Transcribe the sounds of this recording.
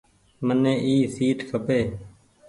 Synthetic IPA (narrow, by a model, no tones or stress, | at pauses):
mənẽːʔiːsiːʈkʰəpeː